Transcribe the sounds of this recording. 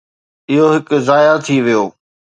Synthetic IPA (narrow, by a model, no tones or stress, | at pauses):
ɪɦoɦɪkzaːjat̪ʰiʋijoː